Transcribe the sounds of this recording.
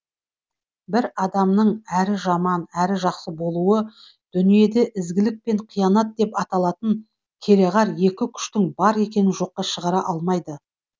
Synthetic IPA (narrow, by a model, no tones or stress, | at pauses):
bɪɾɑd̪ɑmnəɴæɾɪʒɑmɑnæɾɪʒɑqsəbo̞lˠuə | d̪̥ʏnije̞d̪eʔɪzɡʲɪlɪk̚pe̞ɴqʰijɑnɑt̪̚d̪e̞pɑt̪ɑlˠɑt̪əŋ | kʲʰe̞ɾeʁɑɾje̞kʲɪkʲʰʏ̥ʃt̪ɪŋbɑɾe̞kʲe̞nɪnʒo̞qːɑʃəʁɑɾɑʔɑlˠmɑjd̪ə